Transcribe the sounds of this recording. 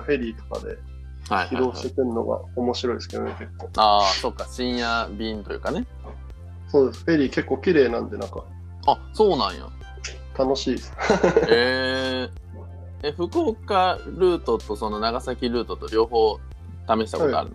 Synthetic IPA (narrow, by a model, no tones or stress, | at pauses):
ɸe̞ɾʲiːt̪o̥ka̰d̪e̞̰ | hajhçiad̪o̞ːɕi̥t̪ekɯ̟ɾɯno̞̰ɡa̰omo̞ɕiɾoḭske̞d̪o̰neke̞kːo̞ːaːso̞kːaɕĩɰ̃jabʲĩːnt̪ojɯ̟ːkane̞ | soːd̪e̞sɨ̥ɸe̞ɾʲiːke̞kːo̞ːkʲiɾe̞ːnãnd̪e̞nãŋka | a | so̞ːnãɰ̃ja̰ | t̪ano̞ɕiːd̪esɨ̥e | eɸɯ̟ko̞ːkaɾɯ̟ːt̪o̞t̪o̞so̞no̞naɡasakʲiɾɯ̟ːt̪o̞t̪o̞ɾʲo̞ːho̞ː | t̪ame̞ɕi̥t̪akoɡa̰ɾɯ̟no̥